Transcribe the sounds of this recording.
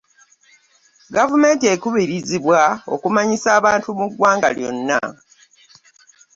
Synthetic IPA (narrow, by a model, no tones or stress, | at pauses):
ɡavume̞ːntiekuβiɾiziβwao̞̰kumaɲisaːβaːntumuɡwaːŋɡa̰ljo̰nːa̰